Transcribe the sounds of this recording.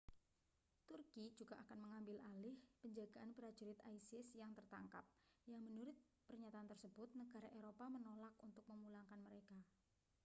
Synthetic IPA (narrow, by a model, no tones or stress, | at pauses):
t̪urki̥d͡ʒuɡ̥aʔakanməŋambɪlʔalɪhpəɲd͡ʒaɡ̥aʔanpəɾad̥ʒ̥uɾɪt̪ajsɪsjaŋt̪ərt̪a̰ŋka̰p̚jaŋmənuɾʊt̪̚ | pərɲat̪aːnt̪ərsəb̥ʊt̪̚nəɡ̥a̤ɾaʔeɾopamənolakunt̪ʊk̚məmulaŋkanməɾeka